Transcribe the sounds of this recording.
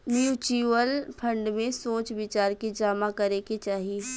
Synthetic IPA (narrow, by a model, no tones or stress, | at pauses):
njuːt͡ʃiːʋəlpʰɐ̃ɳɖmẽsoːt͡ʃʋɪt͡ʃaːɾkid͡ʒaːmakɐɾeket͡ʃaːɦii